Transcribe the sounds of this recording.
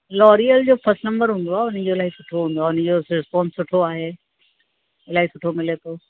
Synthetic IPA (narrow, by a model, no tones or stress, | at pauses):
lɔːɾijəld͡ʑoːpɐsnɐ̃mbəɾɦũːnd̪oaʊnd͡ʑoɪlaːisʊ̥ʈʰoɦũːn̆d̪oaʊnd͡ʑoːsɾɪspɔ̃ːnssʊʈʰoaːɦeː | ɪlaːɦisʊʈʰomɪlet̪ʰoː